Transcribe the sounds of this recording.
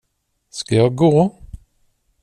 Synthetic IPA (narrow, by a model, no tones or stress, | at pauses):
skajɑːɡoː